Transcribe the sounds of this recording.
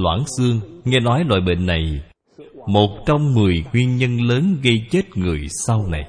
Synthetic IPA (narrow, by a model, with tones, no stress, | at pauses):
lwa̰ː˧˩ŋsɨ˧əŋŋɛ˧nɔ˨˦jlwa̰ː˧˨jɓḛ˧˨nːa˨˩j | mo˨˩t̚t͡ɕɔ˧wŋ͡mmɨ˨˩əjŋwi˧ənɲə˧nləː˨˦nɣə˧jt͡ɕe˦˥t̚ŋɨ˨˩əjsa˧wna˨˩j